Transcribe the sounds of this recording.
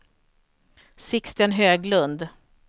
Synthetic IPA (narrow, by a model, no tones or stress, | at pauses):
sɪkst̪ənɦøːɡlɵnd̪